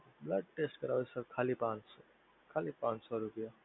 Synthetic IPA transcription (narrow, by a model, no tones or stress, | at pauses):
bləɖ̚ʈesʈkəɾaːʋesəɾkʰalipãns | kʰalipãnsɔɾupija